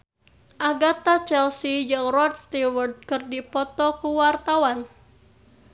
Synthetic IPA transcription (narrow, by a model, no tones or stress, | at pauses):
ʔaɡat̪at͡ʃɛlsid͡ʒɨŋrɔt̪̚st̪iwərd̪̚kɨrdipɔt̪ɔkuwart̪awan